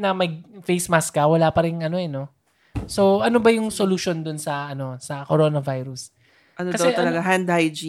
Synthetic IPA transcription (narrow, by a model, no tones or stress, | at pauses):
nɐmɐɡ̚fejsmaskɐwɐlapɐɾɪŋʔɐno̞ɛno̞ | so̞ʔɐno̞bɐjʊŋsoluʃo̞nd̪ʊnsɐʔɐno̞sɐkoɾo̞nɐvajɾʊs | ʔɐnokɐd̪ɐwt̪ɐlɐɡaɦand̪hajd͡ʒi